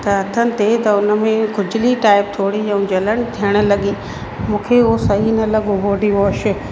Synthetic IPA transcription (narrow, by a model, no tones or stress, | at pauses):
t̪ɐɐt̪ʰənɪ̆t̪et̪ɐʊnə̆mẽkʰʊd͡ʑɪliʈaːɪp̚t̪ʰoːɽiɐ̃ũd͡ʑɐləɽ̃ɪ̆t̪ʰijəɽ̃ʊ̆lɐɠi | mũːkʰeʊosɐɦinɐlɐɠobʱoːɖiʋoːʃɪ̆